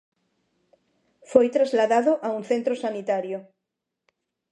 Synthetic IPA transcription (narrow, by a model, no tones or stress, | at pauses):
fojt̪ɾazlaðaðoʔauŋθẽnt̪ɾosanit̪aɾjo